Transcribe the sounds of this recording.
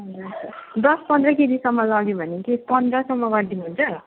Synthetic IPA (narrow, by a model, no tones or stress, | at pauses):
ɦʌd͡zud̪ʌspʌnd̪rʌked̪isʌmːʌlʌɡjobʱʌnekepʌnd̪rʌsʌmːʌɡʌɾd̪inuɦunt͡sʰʌ